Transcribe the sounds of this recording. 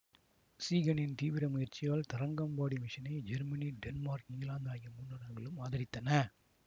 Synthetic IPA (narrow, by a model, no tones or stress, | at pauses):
siːɣɐnɪnt̪iːʋɪɾɐmʊjɐɾt͡ʃɪjaːlt̪ɐɾɐŋɡɐmbaːɽimɪʂɐnɐɪd͡ʒɛɾmɐniɖɛnmaːɾkɪŋɡlaːnd̪aːjɐmːunɐɽɐɾɣɐɭɯmaːðɐɾɪt̪ːɐnɐ